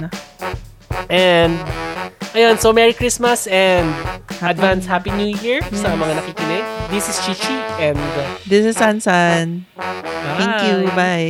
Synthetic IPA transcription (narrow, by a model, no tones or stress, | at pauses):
nɐ | ʔɛnd̪ʔɐjonsowmɛɹikɹismɐsɛnd̪hɐd̪vanshapinujiɹsɐmɐŋanɐkikɪnɪɡ̚d̪isɪst͡ʃit͡ʃiʔɛ̃nd̪d̪ɪsɪsansan | aɛ̃ŋkjubaj